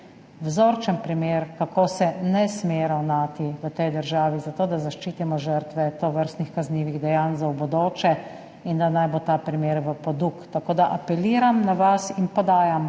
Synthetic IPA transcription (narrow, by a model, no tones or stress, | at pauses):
wzoːɾt͡ʃənpɾimeːɾkakoːsɛnɛsmeːɾawnaːt̪iʋət̪ɛjd̪əɾʒaːʋizat̪oːd̪azaʃt͡ʃiːt̪imɔʒəɾt̪ʋɛt̪oːʋəɾst̪nixkazniːʋiɣd̪ɛjanzawbɔd̪oːt͡ʃɛ | ind̪anajbot̪aːpɾimeːɾʋəpɔd̪ukt̪akoːd̪aʔapɛliːɾamnaʋasinpɔd̪aːjam